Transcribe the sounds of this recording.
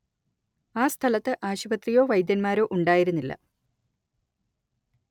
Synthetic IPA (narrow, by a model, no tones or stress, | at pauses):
aːst̪ʰɐlɐt̪ːɨʔaːɕubɐt̪rijo̞ːʋɐjd̪jɐnmaːɾo̞ːʔuɳɖaːjiɾunːilːɐ̰